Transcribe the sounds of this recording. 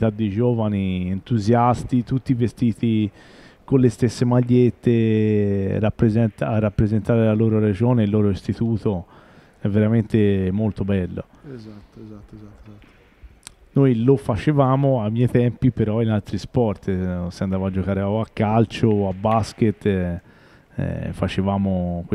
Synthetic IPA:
t̪ad̪ːid͡ʒɔːvanient̪uzjast̪it̪ut̪ːivest̪iːt̪i | kolest̪esːemaʎːet̪ːe | ɾapːɾezɛnt̪arːapːɾezent̪aːɾelaloːɾoɾed͡ʒoːneilːoːɾoist̪it̪uːt̪o | ɛvːeɾament̪emolt̪obɛlːo̰ | t̪ːzat̪ː | nojlofat͡ʃevaːmoamjɛjt̪ɛmpipeɾɔinalt̪ɾispɔrt̪seand̪aːvoad͡ʒːokaːɾeaakːalt͡ʃoabːasket̪ː | ɛ̰fat͡ʃevaːmokwe

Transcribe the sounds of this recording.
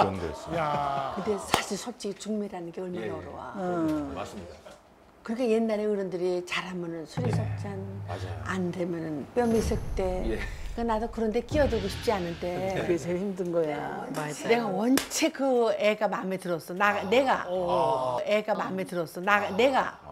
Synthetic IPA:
ʌndḛskɯnde̞sʰaɕʰiɭsʰʌp̚t͡ɕ͈iɡit͡ɕuŋmeɾanɯnɡe̞ɯɭmanʌɾowa̰aid | kɯɾikʰaje̞nːaɾeɯɾɯndɯɾit͡ɕaɾɦamʌnɯnsʰuɾisʰop̚t͡ɕ͈ana̰aa̰ndemjʌnɯnp͈jʌmis͈ʰɯɭt͈e̞k͈anadokɯɾʌnde̞k͈iʌd͡ʑoɡoɕʰi̥p̚t͡ɕ͈ianːɯnde̞kesʰehimdɯnɡʌjamaneɡawʌnt͡ɕʰekɯeɡamametɯɾʌs͈ʌnane̞ɡa | eɡamame̞tɯɾʌs͈ʌnane̞ɡa̰

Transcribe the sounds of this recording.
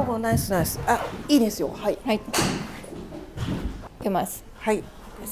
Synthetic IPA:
onaisɨnajsɨ̥aiːd̪e̞sɨjo̞̰haihai | kemasɨ̥hai

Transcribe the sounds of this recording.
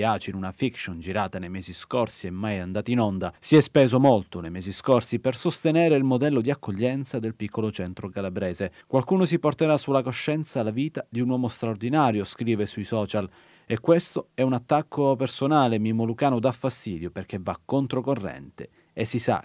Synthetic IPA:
aːt͡ʃinunafikʃond͡ʒiɾaːt̪anejmɛːziskorsiɛmːajand̪aːt̪inɔnd̪asiɛspɛːzomolt̪onejmɛːziskorsipersost̪enɛːɾeilmod̪ɛlːod̪iakʰːoʎːɛnt̪sad̪elpikʰːolot͡ʃɛnt̪ɾokalabɾɛːzekwalkuːnos̬iport̪eɾasulːakoʃːɛnt̪salaviːt̪ad̪iunwɔːmost̪ɾaord̪inaːɾjoskɾiːvesuisɔːt͡ʃal | ekːwest̪oɛunat̪ːakːopersonaːlemimolukaːnod̪afːast̪iːd̪joperk̟evːakːont̪ɾokorːɛ̰nt̪ḛ | esisa̰

